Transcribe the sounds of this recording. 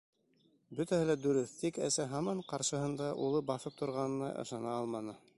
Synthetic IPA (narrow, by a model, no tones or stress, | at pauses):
bɵt̪æhɘlæd̪ɵɾɘθt̪ikæ̰sæɦɑmɑɴqɑɾʃɤ̆ɦɤ̆nd̪ɑʔṵlˠɤbɑθɤp̚t̪ʰŏɾʁɑnɤ̆nɑ̰ʔɤ̰̆ʃɑnɑɑlˠmɑnɤ